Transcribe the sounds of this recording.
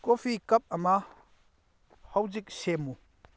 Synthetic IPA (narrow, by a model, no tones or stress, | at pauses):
kofʰikɐp̚ɐma | hɐwzik̚semu